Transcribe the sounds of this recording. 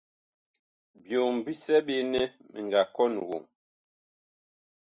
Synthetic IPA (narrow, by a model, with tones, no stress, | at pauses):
bjo˨m̩˨bi˦sɛ˦ɓe˦nɛ˦mḭ˨ŋ˨ɡa˨kɔ˦nu˨ɣo̰˨ŋ